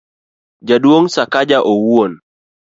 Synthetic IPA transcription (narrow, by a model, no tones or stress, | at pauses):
d͡ʒadwoŋsakad͡ʒaʔowuon